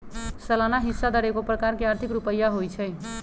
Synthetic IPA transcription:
səlanaɦisːad̪əɾekopɾəkaɾkeaɾt̪ʰikɾupəjːaɦojt͡ʃʰəj

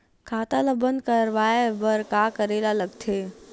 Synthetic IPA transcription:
kʰaːt̪aləbə̃nd̪kəɾʋaːebəɾkakəɾelaləɡt̪ʰe

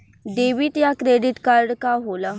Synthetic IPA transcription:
ɖeʋiːʈjakɾeɖiʈkaɾɖkaɦola

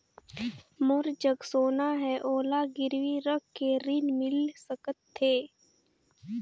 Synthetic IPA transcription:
mʊɾd͡ʒəɡsoːnaɦɛːʔoːlaɡɪɾwiɾəkːeɾɪnmɪlsəkət̪ʰːeː

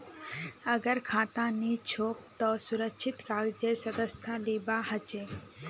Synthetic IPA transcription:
əɡəɾkʰãːt̪ãnit͡ʃʰoːp̚t̪ɔsʊɾəkʃʰɪt̪kaːɡd͡ʒesɐd̪əst̪ʰãliːbahət͡ʃeː

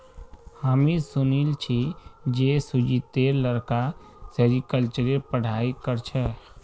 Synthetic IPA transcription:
haːmisʊnilt͡ʃʰid͡ʒesud͡ʒit̪eːɾləɾka | seɾikəlt͡ʃəɾepəɽ̤aːikəɾt͡ʃʰɛ

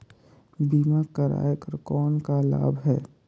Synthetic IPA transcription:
biːmakəɾa̰ːekəɾkɔːnkala̰ːbɦɛː

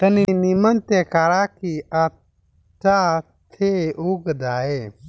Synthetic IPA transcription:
t̪ɐninimənt̪ekaːɾakia | t͡ʃa | t̪ʰeuɡd̪aːe

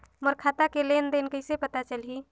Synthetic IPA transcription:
mɔɾkʰaːt̪akelend̪enkəɪsepət̪at͡ʃəli

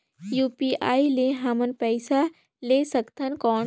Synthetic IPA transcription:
juːpiʔaːileɦamənpəɪsa | leːsəkt̪ənkɔːn

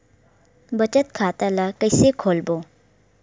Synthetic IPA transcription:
bət͡ʃət̪kʰaːt̪alakəjsekʰoːlbo

